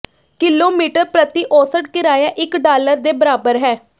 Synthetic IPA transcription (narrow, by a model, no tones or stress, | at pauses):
kɪlːoːmiːʈəɾpɾət̪iːʔoːsəʈkɪɾaːjaːʔɪkɖaːləɾd̪eːbəɾaːbəɾɦɛː